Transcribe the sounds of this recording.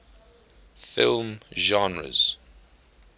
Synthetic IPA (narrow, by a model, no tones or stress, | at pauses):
fɪlˠmʒɑ̃nɹə̰z̥